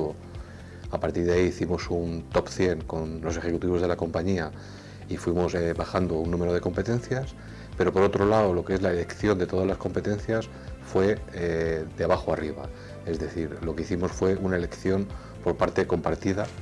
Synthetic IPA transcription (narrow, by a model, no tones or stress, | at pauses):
o | apaɾt̪iɾðaiːθimo̞sunt̪o̞pθje̞ŋko̞nlo̞s̬e̞xe̞kut̪iβo̞zð̞e̞lako̞mpaɲia | ifwimo̞sebaxand̪o̞unːũmeɾo̞ð̞e̞ko̞mpe̞t̪e̞nθjas | pe̞ɾo̞po̞ɾo̞t̪ɾo̞laolo̞kee̞zlaele̞kθjo̞nd̪e̞t̪o̞ð̞azlasko̞mpe̞t̪ẽ̞nθjas | fwe̞ | ðeaβaxoariβ̞a̰ | e̞zðe̞θiɾlo̞ke̞iθimo̞sfwe̞unae̞le̞kθjo̞n | poɾpaɾt̪e̞ko̞mpaɾt̪iða